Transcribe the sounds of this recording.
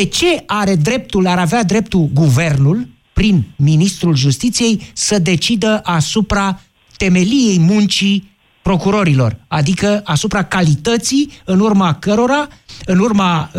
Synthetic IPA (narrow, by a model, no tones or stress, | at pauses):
d̪et͡ʃe̞aɾe̞d̪ɾe̞p̚t̪ulaɾavead̪ɾe̞p̚t̪ulɡuve̞rnul | pɾinminist̪ɾulʒust̪it̪sije̞jsəd̪e̞t͡ʃid̪əʔasupɾa | t̪e̞me̞lije̞jmunt͡ʃi | pɾo̞kuɾo̞ɾilo̞̰rad̪ikəasupɾakalit̪ət̪siɨnurmakəɾo̞ɾaɨnurma